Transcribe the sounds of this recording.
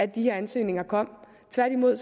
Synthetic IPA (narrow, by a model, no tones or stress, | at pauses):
æd̥iheɐænsø̰ːne̝ŋɐkʰɒ̽m̰ | t͡sʰʋæɐd̥imo̝ð̰ˠs